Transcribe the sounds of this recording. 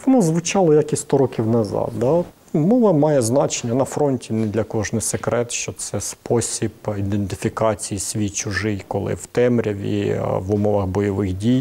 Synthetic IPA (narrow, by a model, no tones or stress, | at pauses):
ʋɔnɔzʋʊt͡ʃɑlˠɔjakʲisʲst̪ɔɾɔkʲiwnɐzɑ̰d̪̚d̪ɑ | mɔʋɐmɑjɛznɑt͡ʃenʲːɐnɐfɾɔnʲtʲinɛd̪lʲɐkɔʒnɪsekɾɛt̪ʃt͡ʃɔt̪sɛspɔsʲibid̪ent̪ɪ̥fʲikɑt͡sʲijisʲʋʲijt͡ʃʊʒɪjkɔlˠɪ̰wt̪ɛmɾʲɐʋʲḭʋʊmɔʋɐɣbɔjɔʋɪxdʲij